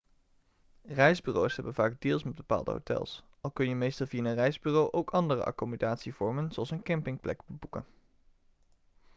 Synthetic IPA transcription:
rɛjzbyːrowsɦɛbənvaːɡ̚dɪːlˠsmɛd̚bəpa̰ːlˠdə̰ɦo̰wtɛ̰lˠs | ɑlˠkɵnjəmejstəlˠvijaːənrɛjzbyːrowʔowkɑndərə̰ʔa̰komodaːtsiv̥ɔɹmənzowɑlˠsənkɛmpɪŋplɛkbəbukə̰n

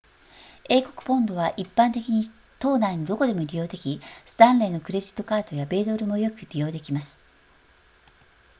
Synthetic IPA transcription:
e̞ːko̞̥kɯ̥põ̞nd̪o̞β̞aʔipːãnt̪e̞kʲiɲ̟i | t̪o̞ːnainod̪o̞ko̞d̪e̞mo̞ɾʲijo̞ːd̪e̞kʲisɨ̥t̪ãnɾe̞ːno̞kɯ̟ɾe̞d͡ʑi̥t̪ːo̞kaːt̪o̞jabe̞ːd̪o̞ɾɯ̟mo̞jo̞kɯ̟ɾʲijo̞ːd̪e̞kʲimasɨ̥

